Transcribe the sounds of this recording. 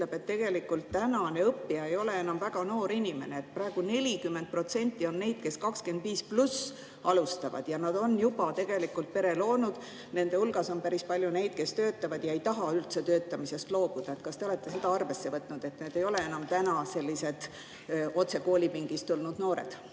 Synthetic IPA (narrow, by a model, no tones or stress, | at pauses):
yt̪le̞b̥e̞t̪ːe̞ɡ̥e̞likːult̪ːænɑneɤpːiɑe̞jo̞le̞e̞nɑmvæɡɑno̞ːɾinʲime̞neet̪̚prɑe̞ɡ̥une̞lʲikymːe̞nd̪̚pro̞t̪se̞nʲt̪ːˑio̞nne̞jd̪̥ke̞skɑkske̞nd̪viːsplus | ɑlust̪ɑvɑ̰d̪̥jɑnɑd̪̥o̞njub̥ɑt̪e̞ɡ̥e̞likːˑult̪̚pe̞ɾe̞lo̞ːnud̪̥ | ne̞nd̪e̞ulɡ̥ɑso̞npæɾispɑlʲjune̞jd̪̥̚ke̞st̪ø̞ːt̪ːˑɑvɑd̪̥jɑejt̪ɑɦɑylt̪set̪øːt̪ːˑɑmise̞st̪lo̞ːb̥ud̪̥ɑe̞t̪kɑst̪e̞o̞le̞t̪ˑːe̞se̞d̪̥ɑɑrve̞sːe̞vɤt̪ˑnud̪̥e̞t̪neːd̪̥e̞jo̞le̞e̞nɑmt̪ænɑse̞lʲːise̞d̪̥ | o̞t̪se̞ko̞ːlʲipiŋɡ̥ist̪ulnud̪̥no̞ːɾḛd̪